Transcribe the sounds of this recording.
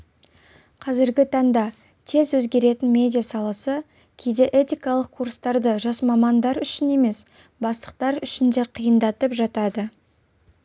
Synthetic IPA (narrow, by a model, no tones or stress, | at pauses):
qʰɑzɪɾɡʲɪt̪ʰɑɴd̪ɑ | t̪ʰe̞zwɵzɡʲe̞ɾe̞t̪ɪnmʲe̞d̪ʲijasɑlˠɑsə | kʲʰe̞jd̪e̞ʔet̪ʲijkɑlˠəq̚kʰːurst̪ɑɾd̪əʒɑsmɑmɑnd̪ɑɾʏʃɪne̞me̞s | bɑst̪ə̥qt̪ɑɾʏʃɪnd̪e̞qʰijənd̪ɑt̪əpʒɑt̪ɑd̪ə